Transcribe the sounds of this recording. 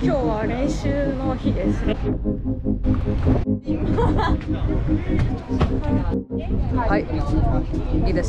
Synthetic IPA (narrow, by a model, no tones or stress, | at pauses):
kʲoːβaɾẽɰ̃ɕɨːnoçid̪e̞sɨne | hai | id̪a